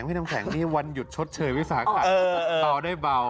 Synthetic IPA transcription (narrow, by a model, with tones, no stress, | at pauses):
ŋma˥˩na˧kʰɛː˩˦ŋniː˥˩wa˧nju˨˩t̪̚t͡ɕʰo˦˥t̪̚t͡ɕʰɤː˧jwi˦˥faː˩˦˩a˨˩ɤː˧ʔːba˧wdaː˥˩jba˧w